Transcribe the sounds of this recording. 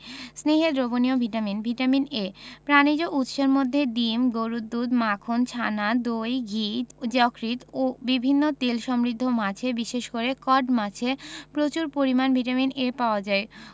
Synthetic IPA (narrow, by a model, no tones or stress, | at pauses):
sneɦed̪ɾoboniobʱiʈaminbʱiʈaminepɾanid͡ʑoʔut̪ʃaɾmod̪ʱːed̪imɡoɾud̪ːud̪makʰont͡ɕʰanad̪ojɡʱit̪d͡ʑɔkɾit̪obibʱinːot̪elʃɔmɾid̪ʱːomat͡ɕʰebiʃeʃkoɾekɔɖmat͡ɕʰepɾot͡ɕuɾpoɾimanbʱiʈaminepaoad͡ʑae